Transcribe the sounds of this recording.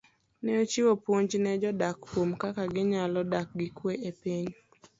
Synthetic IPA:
nɛot͡ʃɪwopwoɲd͡ʒnɛd͡ʒɔdakkwomkakaɡɪɲalɔdak̚ɡɪkweʔepiɲ

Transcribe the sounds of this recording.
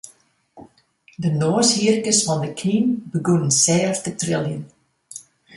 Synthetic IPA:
dənoːəshiərkəsfɑndəkʰninbəɡunənsɛːrftətrɪlˠjən

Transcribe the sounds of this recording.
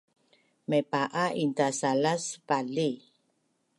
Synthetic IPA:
mepaʔaʔint̪asalaspali

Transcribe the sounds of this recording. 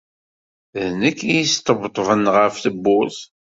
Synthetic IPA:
ðnəkːijist̪ːəbt̪ˤvənʁəfθəbːʊθ

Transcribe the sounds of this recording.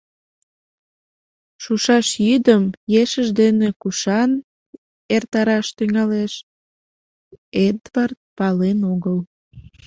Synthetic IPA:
ʃuʃɑʃjyd̪əmjeʃəʒd̪enekuʃɑn | ert̪ɑɾɑʃt̪yŋɑleʃ | ed̪vɑrt̪̚pɑlenoɣəl

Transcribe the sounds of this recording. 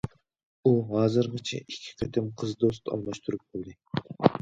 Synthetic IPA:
uɦɑːzɨɾʁɑt͡ʃʰɛ̰ikʲʰːi̥qʰɛt̪ɪmqʰəzd̪ost̪ɑ̰lˠmɑʃt̪ʰuɾup̚qolˠd̪ɨ

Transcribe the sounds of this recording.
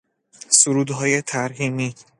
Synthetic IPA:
suɾuːd̪ɦɒːje̞t̪ʰæɾɦiːmi

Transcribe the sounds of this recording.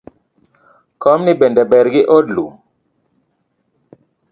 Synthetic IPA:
kɔmnɪbendɛbɛɾɡɪʔodlu

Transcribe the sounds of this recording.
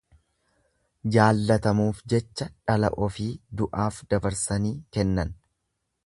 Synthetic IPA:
d͡ʒaːlːɐt̪ɐmuːfd͡ʒɛt͡ʃːɐᶑɐlɐ̰ʔɔfiːd̪ʊʔaːfd̪ɐbɐɾsɐniːkɛnːɐn

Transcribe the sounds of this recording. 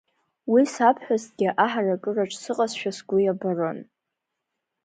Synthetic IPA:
wisapʰħʷᶣaztɡʲɪʔaħarakʼɨraʈ͡ʂʼsɨqʼasʃᶣasɡʷʊjabaron

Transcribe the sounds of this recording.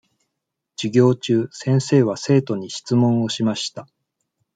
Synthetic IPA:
d͡ʑ̥iɡʲo̞ːt͡ɕɨːsẽ̞ɰ̃se̞ːβ̞ase̞ːt̪o̞ɲ̟iɕi̥t͡sɨmõɰ̃o̞ɕimaɕi̥t̪a

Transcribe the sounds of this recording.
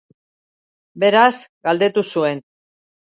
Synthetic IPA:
be̞ɾasɡald̪e̞t̪usue̞n

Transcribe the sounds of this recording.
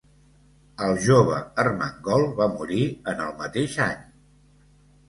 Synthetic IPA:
əlˠʒoβə̰ərməŋɡɔlˠβamuɾiənəlˠmət̪eʃaɲ

